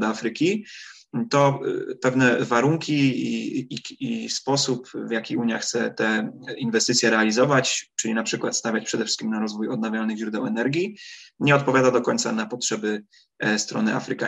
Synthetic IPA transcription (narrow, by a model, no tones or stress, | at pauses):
d̪afɾɘkʲi | t̪ɔpɛvnɛvaɾuŋkʲii | ispɔsupvjakʲiuɲjaxt̪sɛt̪ɛinvɛst̪ɘt̪sʲjɛɾɛalʲizɔvat͡ɕt͡ʂɘlʲinapʂɘkwat̪st̪avʲat͡ɕpʂɛd̪ɛfʂɘ̥kʲimnaɾɔzvujɔd̪̚navʲjalnɘɣʑɾud̪ɛwɛnɛɾɡʲjiɲɛɔt̪̚pɔvʲjad̪ad̪ɔkɔɲʲt̪sanapɔtʂɛbɘ | st̪ɾɔ̰nɘa̰fɾɘka